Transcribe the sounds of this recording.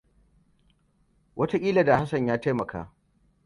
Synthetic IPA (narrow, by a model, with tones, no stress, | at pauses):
wʔɐ˦ta˦kʲʼiː˦la˨da˨ha˦sɐ˨ɲjaː˦ta˦mɐ˨kʰa̰ː˦